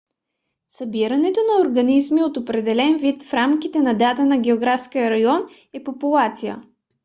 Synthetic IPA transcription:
sɐbiɾɐnɛt̪onɐoɾɡɐnizmiot̪opɾɛd̪ɛlɛnvit̪fɾamkit̪ɛnɐd̪at̪ənɐɡʲɛoɡɾafskijəɾɐjɔn | ɛpopulˠat̪sijə̰

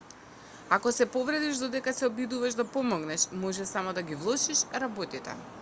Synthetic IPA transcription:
akɔsɛpɔvɾɛd̪iʒd̪ɔd̪ɛkasɛɔbid̪uvaʃd̪apɔmɔɡnɛʃmɔʒɛsamɔd̪aɡivlˠɔʃiʃɾabot̪it̪ɛ̰

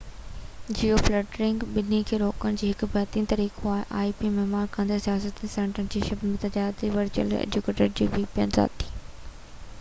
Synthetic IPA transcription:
d͡ʑiofleːʈɾɪ̃ŋɡɓɪnikʰeːɾoːkənɪ̆d͡ʑiːɦɪkʊbɛːt̪iːnt̪ɐɾiːkʰoaːɦɪʔaːipimɛɦmaːɾkə̃nd̪əɾsijaːsət̪nsɛ̃ːɳʈɾənɪ̆d͡ʑiːʃɐbnmɪt̪ɐd͡ʑaːd̪iʋɐɾd͡ʑə̰lḛːd͡ʑukeːʈəɾd͡ʑiːbɪpijənza̰ːt̪ʰːiː

